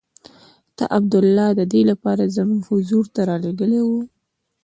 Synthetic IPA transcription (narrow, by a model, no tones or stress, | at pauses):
t̪a̰ʔab̚d̪ʊlːɑd̪əd̪elapɑɾazəmuŋɡhʊzuɾt̪aɾɑleɡəlewu